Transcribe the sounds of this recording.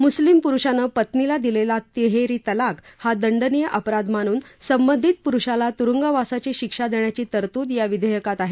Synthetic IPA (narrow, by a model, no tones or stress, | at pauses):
muslimpuɾuʂanəpət̪nilad̪ilelat̪eɦeɾit̪əlakhad̪əɳɖənijəʔəpɾad̪maɽ̃uːnsəmbənd̪ʱit̪̚puɾuʂalat̪uɾuŋɡəʋasat͡ɕeɕikʂad̪eɳjat͡ɕiːt̪əɾt̪ud̪jaʋid̪ʱəjəkat̪aɦe